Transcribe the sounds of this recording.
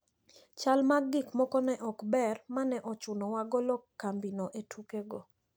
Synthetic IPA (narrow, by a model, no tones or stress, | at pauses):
t͡ʃalmaɡɪkmɔkɔnɛʔɔkbɛrmanɛʔɔt͡ʃʊnɔwaɡɔlɔkːambinɔʔetʰukeɡɔ